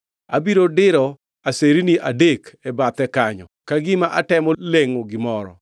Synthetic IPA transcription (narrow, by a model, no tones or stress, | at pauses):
a̰biɾodɪɾɔ | aseɾiniʔadekɛbat̪ɛkaɲɔ̰kaɡɪmaʔatɛmɔleŋoɡɪmɔɾɔ̰